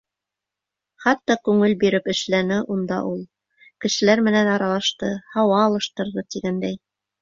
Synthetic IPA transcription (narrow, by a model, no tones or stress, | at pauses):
χɑt̪ːɑkʉŋɘlbiɾɘpɘ̆ʃlænɘʔund̪ɑ̰ʔulˠ | kɘ̆ʃɘ̆læɾmɘ̆nænɑɾɑlˠɑʃt̪ɤhɑwɑːlˠɤ̆ʃt̪ɤ̆ɾðɤt̪iɡænd̪æj